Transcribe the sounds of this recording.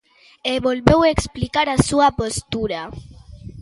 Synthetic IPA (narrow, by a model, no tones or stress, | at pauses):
eβolβeweksplikaɾasuapost̪uɾa